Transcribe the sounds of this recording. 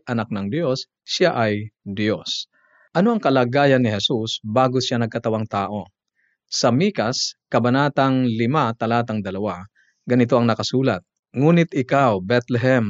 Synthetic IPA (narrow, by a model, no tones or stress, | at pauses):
ʔɐnak̚nɐŋd̪jo̞sː | aʔɐjd̪jo̞s | ʔɐno̞ʔɐŋkɐlaːɡaːjɐnːɪɦɛsusbaːɡosjanɐɡ̚kɐt̪ɐwaŋt̪aːʔo̞ | sɐmiːkɐskɐbɐnaːt̪ɐŋlɪmat̪ɐlaːt̪ɐŋd̪ɐlɐwa | ɡɐnɪt̪̬o̞ʔɐŋnɐkɐsuːlɐt̪̚ | ŋuːnɪt̪ʔɪkawbɛt̪lɛɦɛm